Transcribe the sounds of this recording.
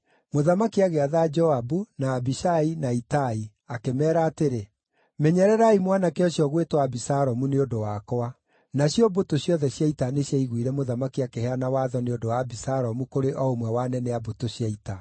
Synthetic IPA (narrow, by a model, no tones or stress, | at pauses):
moðamakiaɣeaðad͡ʒɔabunaːbiʃainaitai | akemɛːɾaːteɾe | meɲɛɾɛɾaimwanakeɔɕjɔɣwetwabisaɾɔmuneodowakɔa | naɕjɔbotoɕjɔðɛɕjaitaneɕjaiɣwiɾɛmoðamakiakehɛanawaðɔneodowabisaɾɔmukoɾeʔɔomwɛwanɛnɛabotoɕjaita